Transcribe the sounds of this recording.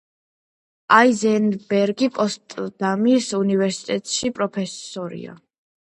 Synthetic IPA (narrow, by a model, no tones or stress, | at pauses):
aizɛnbɛɾɡipʼɔst̪ʼd̪̥amisunivɛɾsi̥t̪ʼɛt̪ʼʃipʼɾɔpʰɛsɔɾḭa̰